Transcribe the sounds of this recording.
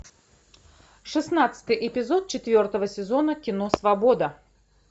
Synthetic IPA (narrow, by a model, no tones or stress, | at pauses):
ʂɨsnat̪sɨ̥t̪ɨjʔɪpʲɪzot̪̚t͡ɕɪt̪vʲo̞rt̪əvəsʲɪzo̞nəkʲɪnosvɐbo̞d̪ə